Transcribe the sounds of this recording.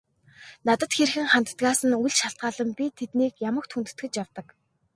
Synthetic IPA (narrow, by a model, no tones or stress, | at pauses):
nat̪ə̆t̪xerxɘ̆ŋχan̥t̪ə̥̆t̪ɢaːsə̆nujɮt͡ɕʃaɬt̪̚ɢaːɮə̆mpʲit̪ʰet̪niːkjamə̆kt̪ʰxunt̪ɘ̥̆t̪ɡɘ̆t͡ɕjawt̪ə̆k